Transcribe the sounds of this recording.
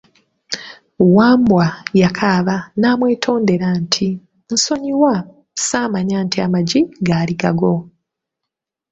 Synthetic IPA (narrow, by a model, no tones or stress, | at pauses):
waːmbwajakʰaːβanaːmwe̞ːtʰo̞ːnde̞ɾantʰi | n̩so̞ɲiwa | saːmaɲaːntiamaɟiɡaːliɡaɡo̞